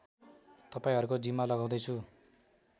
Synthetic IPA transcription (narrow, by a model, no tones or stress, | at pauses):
t̪ʌpaĩɦʌɾukod͡zimːalʌɡaw̃d̪ʌjt͡sʰu